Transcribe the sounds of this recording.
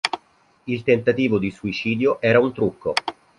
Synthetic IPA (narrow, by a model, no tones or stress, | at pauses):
ilt̪ent̪at̪iːvod̪isuit͡ʃiːd̪joʔɛːɾaunt̪ɾukːo